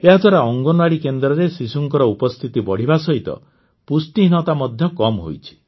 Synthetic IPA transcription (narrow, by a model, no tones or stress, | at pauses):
eɦad̪ʱwaɾaɔŋɡɔnwaɽikend̪ɾɔɾesisuŋkɔɾɔupɔst̪ʰit̪ibɔɽ̤ibasɔɦit̪ɔ̰ | pusʈiɦinɔt̪amɔd̪ʱjɔkɔmɦo̰jt͡ʃʰi̥